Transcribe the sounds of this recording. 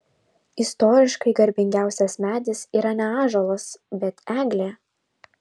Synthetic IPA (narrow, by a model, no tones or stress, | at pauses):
ɪst̪ɔːɾʲɪʃkɐɪɡɐɾʲbʲɪŋʲɡʲæˑʊsʲɛsmʲæːd̪ʲɪsiːɾɐnʲɛɑːʒolˠɐsbʲɛt̪æːɡlʲeː